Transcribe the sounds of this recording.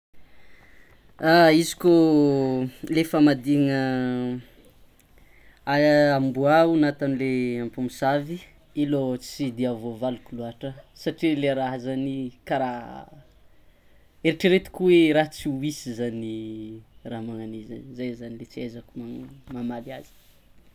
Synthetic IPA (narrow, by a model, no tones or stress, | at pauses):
aizi̥ko | lefamad̪iŋə | ambuaunat̪anileampumisavi | ilot͡sid̪iavovalukuluaʈ͡ʂəsaʈ͡ʂileɾaɦazanikaɾa | eɾiʈ͡ʂəɾet̪i̥kuweɾaɦt͡siuisizani | raɦmaŋaniza̰nzajzanilet͡siezakumamamaliazi̥